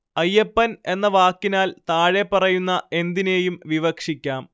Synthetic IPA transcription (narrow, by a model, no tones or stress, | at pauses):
ɐjːepːɐne̞nːɐʋaːkːinaːlt̪aːɻe̞pːɐrɐjunːɐe̞nd̪ine̞ːjumʋiʋɐkʂikʲːaːm